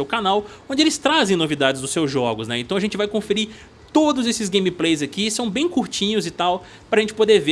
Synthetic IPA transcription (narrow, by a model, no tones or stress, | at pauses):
ewkanawõnd͡ʒɪelɪst̪ɾazẽj̃novid̪ad͡ʒɪzd̪ʊsːewzʒɔɡʊsnɛ̰ẽnt̪ɐ̃w̃ɐʒẽnt͡ʃɪvajkõfɪɾi | t̪od̪ʊzesɪzɡẽj̃miplejzɐkisɐ̃w̃bẽj̃kuɾt͡ʃĩɲʊzɪt̪aw | pɾɐʒẽnt͡ʃɪpod̪eɾve